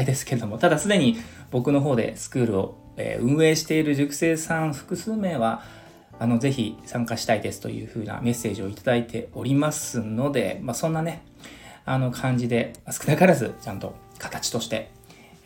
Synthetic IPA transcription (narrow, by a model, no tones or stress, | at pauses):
id̪e̞sɨ̥ke̞ɾed̪o̞mo̞t̪ad̪asɨd̪e̞ɲ̟ibo̞kɯ̟no̞ɦo̞ːd̪e̞̰sɨ̥kɯ̟ːɾɯ̟o̞ | ḛːɯ̟̃ɰ̃e̞ːɕi̥t̪e̞iɾɯ̟ʑɨkɯ̟̥se̞ːsãɰ̃ɸɯ̟̥kɯ̟sɨːme̞ːβaː | no̞ze̞çisãŋkaɕi̥t̪aid̪e̞sɨ̥t̪o̞̰jɯ̟̰ːɸɯ̟̰ːna̰me̞sːe̞ːʑio̞it̪ad̪ait̪ʰe̞o̞ɾʲimasɨno̞d̪e̞̰masõ̞nːane̞ | ano̞kʰãɲ̟d͡ʑid̪e̞masɨ̥kɯ̟nakaɾazɨt͡ɕãnt̪o̞̰ | kʰḁt̪ḁt͡ɕi̥t̪o̞ɕi̥t̪e̞